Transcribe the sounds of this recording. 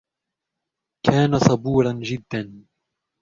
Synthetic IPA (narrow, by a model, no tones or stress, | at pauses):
kʰaːnasˤɑbuːɾˤɑnd͡ʒɪd̪ːan